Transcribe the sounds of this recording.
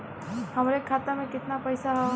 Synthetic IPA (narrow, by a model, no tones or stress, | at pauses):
həmɾekʰːat̪amẽkɪt̪napəjsaɦ